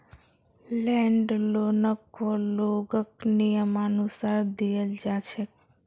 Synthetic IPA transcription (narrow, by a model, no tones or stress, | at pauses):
lɛ̃ɳɖlonəkoloɡəknijəmanusaɾd̪ijəld͡ʒat͡ʃʰe